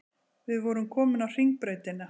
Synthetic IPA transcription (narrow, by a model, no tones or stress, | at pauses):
vɪðvɔɾʏmkʰɔːmɪnawr̥iŋk̚pɾeːjt̪ɪna